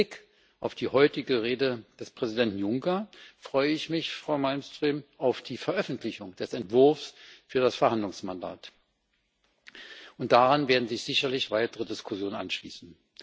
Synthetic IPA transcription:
ɪk | ʔaʊfd̥iːhɔʏtɪɡəʁeːdəd̥ɛspʁ̥ɛzidɛntn̩jʊŋkɐfʁ̥ɔʏəɪçmɪçfʁ̥aʊmalmstʁ̥iːmʔaʊfd̥iːfɛɐʔœfn̩tʰlɪçʊŋd̥ɛsɛntv̥ʊɐfsfyːɐdasfɛɐhandlʊŋsmanda̰ːt | ʔʊnt̚d̥aʁanveːɐdn̩zɪçz̥ɪçɐlɪçv̥aɪtəʁədɪskʰʊsjoːnənʔa̰nʃlḭːsn̩

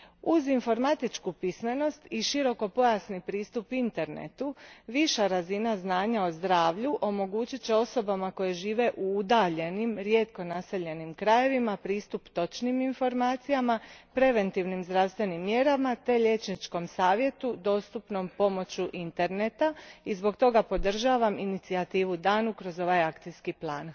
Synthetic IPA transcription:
uzinfo̞ɾmat̪it͡ʃkupisme̞no̞st̪iʃiɾo̞ko̞po̞jasnipɾiːst̪upint̪e̞ɾnḛt̪uʋiʃaɾazinaznaːɲao̞zd̪ɾaːʋʎuʔo̞mo̞ɡuːt͡ɕit͡ɕeo̞so̞bamako̞je̞ʒiːʋe̞ʔuud̪aʎe̞nimɾje̞t̪ko̞nase̞ʎe̞nimkɾaje̞ʋimapɾiːst̪upt̪o̞t͡ʃniminfo̞ɾmaːt̪sijamapɾe̞ʋe̞nt̪iʋnimzd̪ɾaːʋst̪ʋe̞nimːje̞ɾamat̪e̞ʎe̞t͡ʃnit͡ʃko̞msaːʋje̞t̪ud̪o̞ːst̪upno̞mpo̞mo̞t͡ɕuʔint̪e̞ɾne̞t̪aizbo̞kt̪o̞ɡapo̞d̪r̩ʒaːʋaminit̪siat̪iːʋud̪aːnukɾo̞zo̞ʋajakt̪ijskiplˠaːn

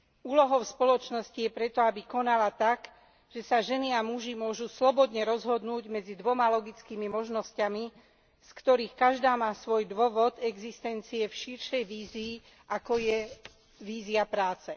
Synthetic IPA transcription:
uːlɔɦɔʊspɔlɔt͡ʃnɔscijɛpɾɛt̪ɔabikɔnalat̪ak | ʒ̥ɛsaʒɛniamuʒimʊɔʒuslɔbɔd̪ɲɛɾɔzɦɔd̪nuːɟmɛd͡zid̪ʋɔmalɔɡit͡skiːmimɔʒnɔscami | skt̪ɔɾiːxkaʒd̪aːmaːsʋɔjd̪ʋɔʋɔd̪ɛɡzist̪ɛnt͡siɛfʃiɾʃɛjʋiːziː | ʔakɔjɛ | ʋiːziapɾaːt͡sɛ

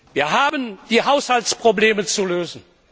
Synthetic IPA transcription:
viːɐɦaːbənd̥iːɦaʊshalt͡spʁ̥obleːmət͡suløːzn̩

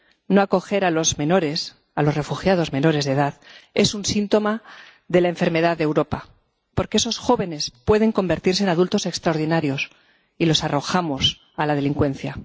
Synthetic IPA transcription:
no̞ako̞xe̞ɾalo̞zmẽ̞no̞ɾe̞s | alo̞sre̞fuxjað̞o̞zme̞no̞ɾe̞zðe̞ðaðe̞sunsint̪o̞ma | ðe̞laeɱfe̞ɾme̞ðaðːewɾo̞pa | po̞ɾkee̞so̞sxo̞βe̞ne̞spwe̞ð̞e̞ŋko̞mbe̞ɾt̪iɾs̬enað̞ult̪o̞se̞kst̪ɾaoɾð̞inaɾjo̞s | ilo̞saro̞xamo̞s | alað̞e̞liŋkwe̞nθja

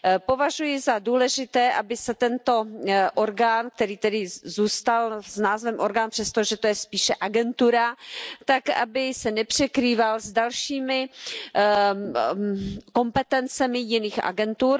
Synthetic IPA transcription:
po̞vaʒujɪzaduːlɛʒɪt̪ɛːʔabɪsɛt̪ɛnt̪o̞ʔoɾɡaːnk̚t̪ɛɾiːt̪ɛdɪzuːst̪alznaːzvɛmʔoɾɡaːnpr̥ɛst̪oʒɛt̪o̞jɛspiːʃɛʔaɡɛnt̪uɾat̪aka̰bɪsɛnɛpr̝̥ɛkɾiːvalzdalʃiːmɪ | ko̞mpɛt̪ɛnt͡sɛmɪjɪniːxʔa̰ɡɛnt̪uːɾ

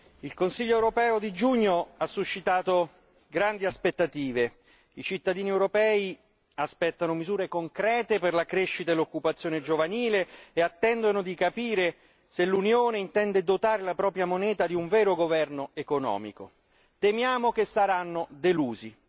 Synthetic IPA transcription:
ilkonsiʎːoɛwɾopɛːod̪id͡ʒuɲːoasːuʃːit̪aːt̪o | ɡɾand̪iaspet̪ːat̪iːve | it͡ʃit̪ːad̪iːniewɾopɛːi | aspɛt̪ːanomizuːɾekoŋkɾɛːt̪eperlakɾeʃːit̪aelːokːupat̪sːjoːned͡ʒovaniːleːat̪ːɛnd̪onod̪ikapiːɾe | selunjoːneint̪ɛnd̪ed̪ot̪aːɾelapɾɔːpɾjamonɛːt̪ad̪iuɱvɛːɾoɡovɛrnoekonɔ̰ːmḭko̰ | t̪emjaːmok̟esːaɾanːod̪eluːzi

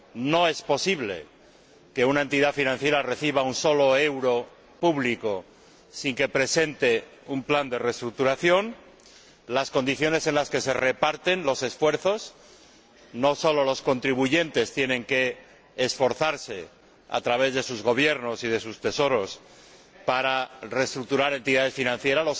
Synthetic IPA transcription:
no̞e̞spo̞siβle̞̰ | ke̞unae̞nt̪iðafinãn̟θje̞ɾare̞θiβ̞aunso̞lo̞e̞wɾo̞ | puβliko̞ | siŋke̞pɾe̞se̞nt̪e̞ | umpland̪e̞re̞st̪ɾuk̚t̪uɾaθjo̞n | lasko̞nd̪iθjo̞ne̞se̞nlaske̞se̞re̞paɾt̪e̞nlo̞se̞sfwe̞ɾθo̞s | no̞so̞lo̞lo̞sko̞nt̪ɾiβuʝe̞nt̪e̞st̪je̞nẽ̞ŋke̞ː | sfo̞ɾθaɾse̞ | a̰t̪ɾaβe̞zðe̞suzɣo̞β̞je̞ɾno̞sið̞e̞sust̪e̞so̞ɾo̞s | paɾare̞st̪ɾuk̚t̪uɾaɾe̞nt̪iðaðe̞sfinãnθje̞ɾalo

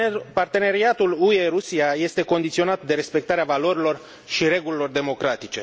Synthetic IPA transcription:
part̪e̞ne̞ɾiat̪ulue̞ɾusiaje̞st̪e̞ko̞nd̪it̪sio̞nat̪d̪e̞ɾe̞spe̞k̚t̪aɾeavalo̞ɾilo̞r | ʃiɾe̞ɡulilo̞rd̪e̞mo̞kɾat̪it͡ʃe̞

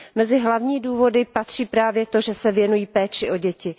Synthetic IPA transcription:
mɛzɪɦlavɲiːduːvo̞dɪpat̪r̝̥iːpɾaːvjɛt̪o̞ʒɛsɛvjɛnujiːpɛːt͡ʃɪʔo̞ɟɛcɪ

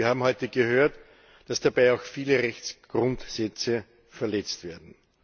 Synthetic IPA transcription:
ɐhaːbm̩hɔʏtəɡəhøːɐt | d̥asd̥abaɪaʊxfiːləʁɛçt͡sɡ̥ʁʊ̃ntsɛt͡sə | fɛɐlɛt͡stv̥eːɐdn̩

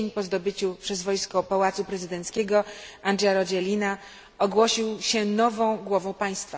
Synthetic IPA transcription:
ɲpɔzd̪ɔbɘt͡ɕupʂɛzvɔjskɔpawat̪supɾɛzɘd̪ɛnt̪skʲɛɡɔand̪ʐjaɾɔd͡ʑɛlʲina | ɔɡwɔɕiwɕɛnɔvɔ̃w̃ɡwɔvɔ̃w̃paj̃st̪fa

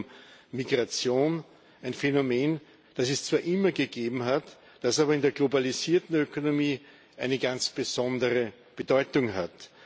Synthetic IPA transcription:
miɡʁat͡sjoːn | æɪnfenomeːn | d̥asɛst͡sv̥aːɐʔɪmɐɡəɡ̥eːbm̩ɦat | d̥asaːbɐɪndeɐɡlobaliziːɐtn̩økonomiː | ʔæɪnəɡant͡sb̥əz̥ɔndəʁə | b̥ədɔʏtʊŋɦat

